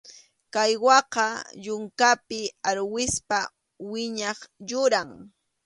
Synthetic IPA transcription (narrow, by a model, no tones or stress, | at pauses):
kajwɑqɑʎʊŋkapɪaɾwɪspa | wɪɲɑχjʊɾaŋ